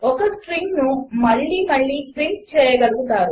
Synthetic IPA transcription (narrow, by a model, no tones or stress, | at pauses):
ɔkɐsʈɾiːŋnumɐɭːiːmɐɭːiːʈɾiːŋt͡ʃɛːjɐɡɐluɡut̪aːɾu